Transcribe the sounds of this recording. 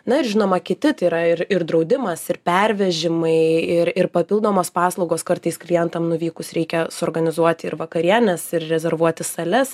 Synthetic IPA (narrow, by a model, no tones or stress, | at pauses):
nɐɪɾʒʲɪnoːmɐkʲɪt̪ʲɪt̪ɐɪɾɐɪrɪɾd̪ɾɒʊd̪ʲɪmɐsɪɾpʲɛɾʲʋʲɛʒʲɪmɐɪɪɾɪrpɐpʲɪlˠd̪oːmoːspɑːslˠɐʊɡoːskɐrt̪ɐɪsklʲɪjɛnt̪ɐmnʊʋʲiːkʊsɾʲɛɪkʲɛsʊːɾɡɐnʲɪzuɔt̪ʲɪɪɾʋɐkɐɾʲiɛnʲɛsɪrrʲɛzʲɛɾʋuɔt̪ʲɪsɐlʲɛs